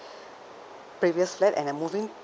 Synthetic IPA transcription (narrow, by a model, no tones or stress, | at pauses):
pɹiviəsflɛtɛ̰̃nəmuvĩŋ